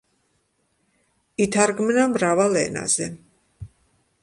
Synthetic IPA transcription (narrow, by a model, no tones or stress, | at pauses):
it̪ʰaɾɡmnamɾavalɛ̰na̰zɛ